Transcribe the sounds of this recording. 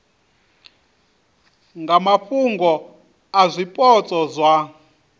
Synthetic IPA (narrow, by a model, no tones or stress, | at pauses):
ŋɡamaɸuŋɡɔ | azʷipʼɔt͡sʼɔzʷa